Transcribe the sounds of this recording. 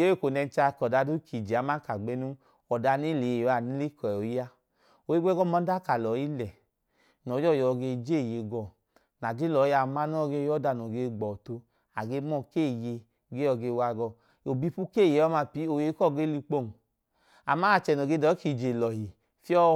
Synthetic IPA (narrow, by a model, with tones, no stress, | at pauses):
o˦e˦˨ko˨nɛ˧n˦t͡ʃa˧˨kɔ˨da˨˧˦du˦kʰi˨d͡ʒe˨a˨˦ma˦ka˨ɡ͡be˨˦nu˦ | ɔ˨da˧ni˦˨le˨o˨˦a˨ni˦li˦kɔ˨o˨i˦a˦ | o˨e˦ɡ͡bɛ˦ɡɔ˦˨mɔ˨˦da˦ka˨lɔ˨˦i˦lɛ˨ | nɔ˨˦d͡ʒɔ˦˨jɔ˨˧ɡe˧d͡ʒe˦˨je˨˦ɡɔ˧˨ | na˨d͡ʒi˦lɔ˨˦ja˧˨ma˦n˦ɔ˦˨ɡe˧˦jɔ˦da˧˨no˨ɡe˧ɡ͡bɔ˨to˧ | a˨ɡe˧˦mɔ˧˨ke˦˨je˧ | ɡe˦ɔ˧˨ɡe˧wa˧ɡɔ˧˨ | o˨bi˧pu˦ke˦˨je˨˧˦ɔ˦ma˧pi˨˦o˨je˨˧˦kɔ˦˨ɡe˦li˧k͡po˦˨n˨ | a˨ma˦a˨t͡ʃɛ˨nɔ˨ɡe˧˦dɔ˨˦ki˨d͡ʒe˨lɔ˨ɦi˨ | fi˦ɔ˦